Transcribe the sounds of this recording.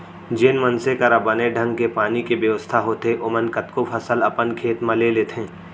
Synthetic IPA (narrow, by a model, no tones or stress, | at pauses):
d͡ʒeːnmənsekəɾabəneɖʱə̃ŋɡkepaːnikebjɐʋəst̪ʰaɦoːt̪eʔʊmənkət̪kopʰəsəlɐpənkʰeːt̪mãleleːt̪ʰẽː